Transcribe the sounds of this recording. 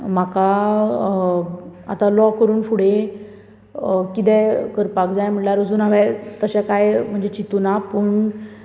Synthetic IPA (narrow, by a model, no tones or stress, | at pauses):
m̤aka | a̰t̪alɔkəɾuːnfuɽ̤e | kit̪ɛ̃kəɾpakd͡zajm̤əɳʈlaɾud͡zuːnaʋat̪əɕakajm̤əɳd͡zet͡ɕit̪unapəːɳ